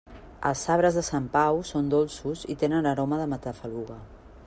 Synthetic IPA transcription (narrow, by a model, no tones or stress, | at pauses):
ə̰lˠsaβ̞ɾəzðəsampawsond̪olˠsuzḭt̪enənəɾɔməðəmət̪əfəluɣə